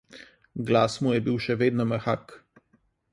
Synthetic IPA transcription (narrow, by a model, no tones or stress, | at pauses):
ɡlaːsmujɛbiwʃɛʋeːd̪nɔmɛxak